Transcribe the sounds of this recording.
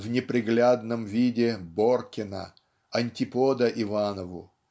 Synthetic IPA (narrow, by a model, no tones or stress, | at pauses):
vnʲɪpɾʲɪɡlʲad̪nəmvʲidʲɪborkʲɪnə̰ | ɐnʲtʲɪpod̪əʔɪvanəvʊ̰